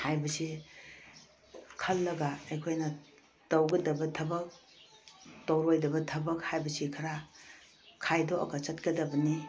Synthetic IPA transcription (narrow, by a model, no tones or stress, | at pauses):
hajbɐsi | kʰɐlːɐɡaɐjkʰojnɐ | tɐwɡɐdɐbɐtʰɐbɐk̚ | towɾojdɐbɐtʰɐbɐkhajbɐsikʰɐɾa | kʰajdoʔɐ̰kɐt͡ʃɐt̚kɐdɐbɐni